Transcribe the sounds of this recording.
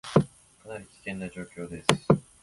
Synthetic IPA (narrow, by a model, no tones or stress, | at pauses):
kanaɾʲikʲi̥t̪ẽ̞nːaʑo̞ːkʲo̞ːd̪e̞sɨ̥